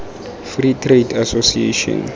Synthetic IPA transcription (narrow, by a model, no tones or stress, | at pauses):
fritʰredasosiḛʃɔ̰̃n